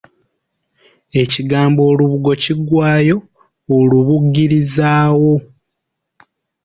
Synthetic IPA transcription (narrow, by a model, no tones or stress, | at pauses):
e̞ciɡaːmbo̞ːluβuɡo̞ciɡwaːjo̞ː | luβuɡːiɾizaːwo̞